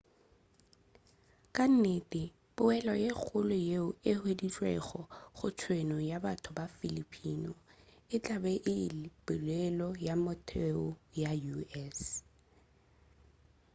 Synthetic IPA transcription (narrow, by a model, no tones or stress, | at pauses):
kʼan̩netʼɪ | b̥ʊɛlɔjek͡xʰʊlʊjeʊɪhwedit͡ɬʼwɛ̰χɔχʊt͡ʃʰwenɔjabatʰʊbafilipʰinɔɪt͡ɬʼabɛʔɪlɪpʼɪlɛlɔjamɔtʰɛʊjajuɛs